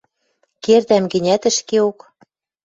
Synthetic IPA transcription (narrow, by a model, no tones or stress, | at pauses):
kert̪æmɡɘ̆nʲæt̪ɘ̆ʃkeok